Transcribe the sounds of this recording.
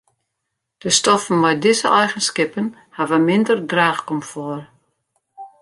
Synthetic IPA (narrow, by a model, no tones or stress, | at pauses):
d̥əstɔfənʋɛjdɪzəʔɛjɣənskɪpən | haʋəmɪndərdraːxkɔmfɔr